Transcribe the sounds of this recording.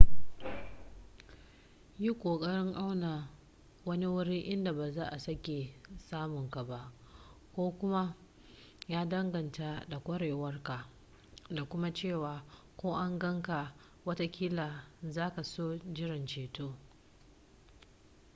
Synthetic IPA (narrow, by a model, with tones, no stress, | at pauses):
ji˦kʷoː˨kʼɐ˦ɽɪ˦ŋʔa˦wna˨ | wɐ˦ni˦wʊ˦ɽi˦ʔɪ˦nda˨baː˨zaː˦ʔa˨sɐ˦kʲe˨saː˦mʊ˨ŋka˨ba˨ʔ | kʷoː˦kʷʊ˦ma˦ | jaː˦dɐ˦ŋɡɐ˨nta˨da˨kʷʼɐ˦ɽeː˨wɐ˦rka˨ | da˨kʷʊ˦ma˦t͡ʃeː˦˨waː˨ | kʷoː˦ʔa˦ŋɡɐ˦ŋka˨ | wɐ˦ta˦kʲiː˦la˨zaː˦ka˨soː˦d͡ʒɪ˦ɽɪ˨nt͡ʃeː˨toː˦